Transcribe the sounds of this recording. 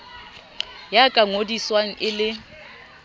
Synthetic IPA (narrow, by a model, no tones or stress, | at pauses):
jakʼaŋodiswaŋ̩ʔɪlɪ